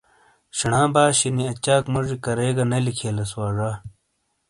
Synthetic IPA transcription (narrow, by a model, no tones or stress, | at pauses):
ɕiɳãːbaːɕiniɐt͡ɕaːkmɐʐikɐɾeːɡɐnɐlikʰeːlɐswaːʐaː